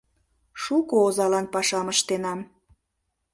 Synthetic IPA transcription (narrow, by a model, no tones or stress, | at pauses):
ʃukoozɑlɑnpɑʃɑməʃt̪enɑm